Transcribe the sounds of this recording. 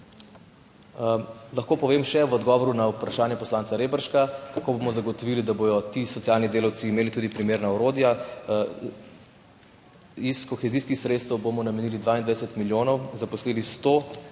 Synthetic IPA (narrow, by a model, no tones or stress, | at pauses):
laxkoːpɔʋeːmʃɛʋɔd̪ɡɔʋɔɾunaupɾaʃaːnjɛpɔslaːntsaɾeːbəɾʃkakakoːbomɔzaɡɔt̪ɔʋiːlid̪abojɔt̪isɔt̪sijaːlnid̪eːlawt̪siːmeːlit̪ud̪ipɾimeːɾnaɔɾoːd̪ja | iskɔxɛziːskixsɾeːt̪st̪ɛwbomɔnamɛniːlid̪ʋaːind̪ʋad̪ɛsɛt̪miljoːnɔwzapɔsliːlist̪o